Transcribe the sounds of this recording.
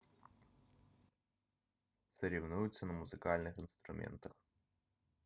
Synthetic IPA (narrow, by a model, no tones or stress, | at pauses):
t̪səɾʲɪvnujʊt̪sənəmʊzɨkalʲnɨxɨnst̪ɾʊmʲḛnt̪əx